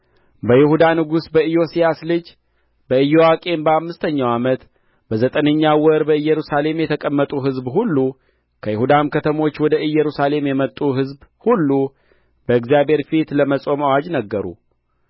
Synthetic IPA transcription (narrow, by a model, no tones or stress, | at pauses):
bəjɪhud̪anɨɡusbəɨjo̞sijaslɨd͡ʒ | bəɨjːowakʼe̞nbəamːɨst̪ʰəɲːawamət̪ | bəzət̪ʼənəɲːawɔɾbəɨjːɛɾusale̞mjɛt̪ʰəkʼəmːət̪ʼuɦɨzbɦulːu | kʰəjɪhud̪amkʰət̪ʰəmo̞t͡ʃːwɔd̪əʔɨjːɛɾusale̞mjɛmət̪ʼːuɦɨzbhulːu | b̥əɨɡzijabhe̞ɾfit̪ləməsʼo̞mawad͡ʒnəɡːəɾṵ